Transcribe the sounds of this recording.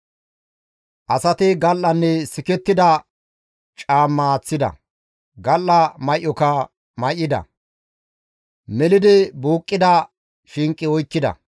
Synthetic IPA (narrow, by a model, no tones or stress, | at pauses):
ʔɐsɐt̪ɪɡɐlːɐnːɛsɪkɛt̪ːɪd̪ɐ | t͡ʃʼaːmːɐt͡sːɪd̪ɐ̰ | ɡɐlːɐmɐjʔːɔkɐ | mɐjʔːɪd̪ɐ̰ | mɛlɪd̪ɪbuːkʼːɪd̪ɐ | ʃɪŋkʼːɪɔjkːɪd̪ɐ̰